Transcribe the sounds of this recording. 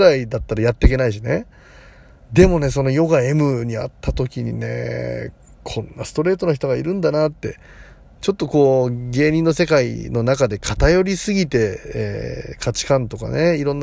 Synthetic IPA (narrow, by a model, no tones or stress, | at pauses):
ɾaid̪at̪ːaɾajat̪ːe̞ik̬ʲe̞naiɕine̞ | d̪e̞mo̞ne̞so̞no̞jo̞ɡae̞mɯ̟ɲ̟ia̰t̪ːat̪o̞kʲiɲ̟ḭne̞̰ | kʰõ̞nːasɨ̥t̪o̞ɾe̞ːt̪o̞naçi̥t̪o̞ɡaiɾɯ̟̃nd̪anat̪ːe̞ | t͡ɕo̞t̪ːo̞ko̞ːɡe̞ːɲ̟ĩnːo̞se̞kaḭno̞nakad̪e̞kʰat̪ajo̞ɾʲisɨɡʲit̪e̞ḛːkʰat͡ɕi̥kãnt̪o̞ka̰ne̞iɾõ̞nː